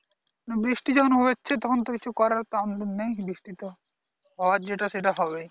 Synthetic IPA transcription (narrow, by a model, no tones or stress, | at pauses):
nabɾiʃʈid͡ʑɔkʰonɦoet͡ɕʰet̪ɔkʰont̪okit͡ɕʰukɔɾaɾt̪oand̪nejbɾiʃʈit̪o | ɦɔwaɾd͡ʑeʈaʃeʈaɦɔbe